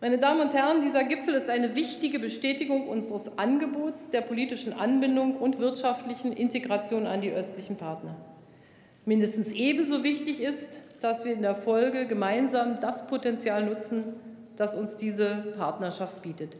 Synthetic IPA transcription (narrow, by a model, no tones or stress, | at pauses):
maɪnədaːmənʊnthɛʁəndiːzɐɡɪpfl̩ɪstʔaɪnəvɪçtɪɡəbəʃtɛːtɪɡʊŋʔʊnzəʁəsʔanɡəboːtsd̥eːɐpʰoliːtɪʃn̩ʔanbɪndʊŋʊntv̥ɪɐtʃaftlɪçn̩ʔɪnteɡʁat͡sjoːna̰ndiːʔœstlɪçn̩pʰaɐtnɐ | mɪndəstn̩sʔeːbm̩zoːvɪçtɪçɪstd̥asv̥iːɐɪndeːɐfɔlɡəɡəmaɪnzaːmdaspʰotɛnt͡sjaːlnʊt͡sn̩ | d̥asʊnsd̥iːzəpʰaɐtnɐʃaft̚b̥iːtət